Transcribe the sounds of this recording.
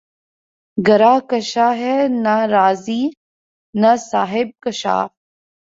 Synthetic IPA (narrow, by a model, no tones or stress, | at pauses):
ɡɐɾaːkɐʃaːɦɛnaɾaːziː | nɐsaːɦɪb̚kɐʃa̰ː